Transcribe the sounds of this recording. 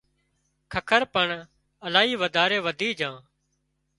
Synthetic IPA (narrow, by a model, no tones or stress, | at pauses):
kʰəkʰəɾpəɳ | əlaːɦiːʋəd̪ʱaːɾeːʋəd̪ʱiːd͡ʒãː